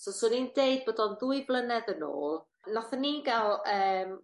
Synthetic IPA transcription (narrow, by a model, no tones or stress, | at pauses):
sosʊːnindeɨd̚bodɔnðuɨblˠənɛdəno̰ːlˠ | nɔθənːiɡɛlˠəːm